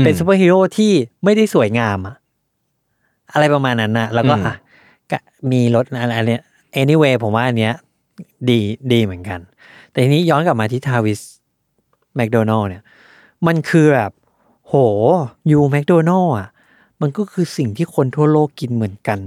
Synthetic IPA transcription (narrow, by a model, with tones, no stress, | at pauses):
pe˧nsu˧˦p̬aː˥˩hiː˧˥ɾoː˥˩t̪ʰiː˥˩ma˥˩jda˥˩jsu˨˩˦jŋaː˧mʔa˨˩ʔ | ʔa˧ɾa˧jpa˧maː˧nːa˦˥nʔa˨˩lɛː˦˥wkɔː˥˩ʔa˧˩ | ka̰˧˩miː˧lo˦˥t̪̚ʔa˧ʔa˧ni˦˥ | ʔeː˧˥ni˧˩˨weː˧pʰo˨˩˦mwaː˥˩ʔa˧nːi˦˥ɐ | diː˧diː˧mɯ˩˦ə˦nka˧n | t̪ɛ˨˩iː˧niː˦˥jɔː˦˥nka˨˩p̚maː˧t̪ʰiː˥˩t̪ʰaː˧wi˦˥s | mɛ˦˥k̚doː˧nɔː˥˩ni˦˥˩ɐ | ma˧nkʰɯː˧bɛː˨˩p̚ | hoː˨˩˦juː˧mɛ˦˥k̚doː˧nɔː˥˩ʔa˨˩ʔ | ma˧nkɔː˥˩kʰɯː˧si˨˩ŋt̪ʰiː˥˩kʰo˧nt̪ʰu˥˩ɐloː˥˩kːi˧nmɯ˩˦ənka˧n